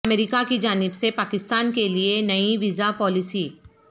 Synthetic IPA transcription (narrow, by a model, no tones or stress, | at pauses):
meɾɪkakid͡ʒaːnɪbsepaːkɪst̪aːnkelienɐiʋiːzapɔːlɪsiː